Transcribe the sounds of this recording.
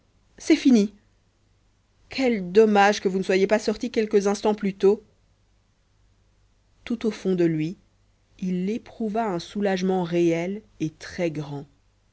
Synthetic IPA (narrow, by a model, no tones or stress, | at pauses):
sɛfini | kʲʰɛld̪ɔmaʒkəvunəswajepasɔʁt̪ikʲɛlkəzɛ̃st̪ɑ̃plyt̪o | t̪ut̪ofɔ̃d̪əlɥi | ilːepχuvaɛ̃sulaʒmɑ̃ʁeɛl | et̪χɛɡʁɑ̃